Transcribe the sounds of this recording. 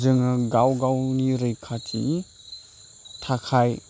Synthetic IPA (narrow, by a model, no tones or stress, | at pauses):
zɯŋɯɡawɡawniɾɯjkʰatʰini | tʰakʰaj